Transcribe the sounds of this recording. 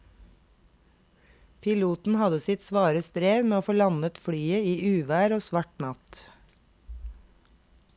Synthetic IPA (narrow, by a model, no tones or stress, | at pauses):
pʰɪluːt̪n̩hɑd̪əsɪt̪sʋɑːɾəst̪ɾeːʋmeːoːfoːlɑnət̪fɽyːəiːʔʉːʋæːɾoːsʋɑʈnɑt̪